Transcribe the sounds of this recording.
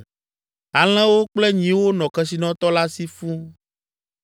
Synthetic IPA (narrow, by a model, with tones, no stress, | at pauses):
a˨l̃ɛ̃˦wo˦k͡plɛ˦ɲĩ˨wo˦nɔ̃˨kɛ˦si˨nɔ̃˦t̪ɔ˦la˦si˦fu˦